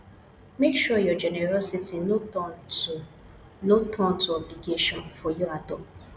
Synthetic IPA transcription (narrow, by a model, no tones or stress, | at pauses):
mekʃujɔd͡ʒɛneɾɔsitino | notʰɔ̃ntuɔbliɡeʃɔ̃nfɔjɔadɔ̃